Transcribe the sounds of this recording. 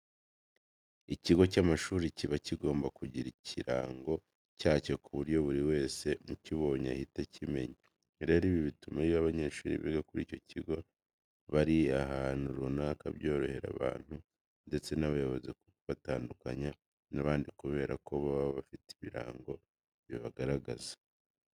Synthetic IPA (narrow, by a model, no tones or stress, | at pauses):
iciɡo̞camaʃuːɾiciβaciɡo̞ːmbakuɟiɾiciɾa̰ːŋɡo̞ | caːce̞kuβuɾjo̞βuɾiwe̞ːse̞muciβo̞ːɲa̰hitacʰime̞̰ɲi | ɾe̞ːɾiːβiβitumaɾiβaβaɲe̞ːʃuːɾḭβḭɡakuɾḭːco̞ciɡo̞ | βaɾiaɦaːnuɾunaːkaβjo̞ːɾo̞he̞ɾa̰βa̰ːn̥hu | nde̞t͡se̞naβajoβo̞zekukuβataːndukaɲa | naβaːndikuβe̞ːɾako̞βaββafitiβiɾa̰ːŋɡo̞ | βiβaɡaɾaɡa̰zḁ